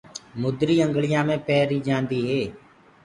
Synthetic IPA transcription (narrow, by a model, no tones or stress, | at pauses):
mʊd̪ɾiːə̃ŋɡlɪjãːmẽːpɛːɾiːd͡ʒãːnd̪iːɦeː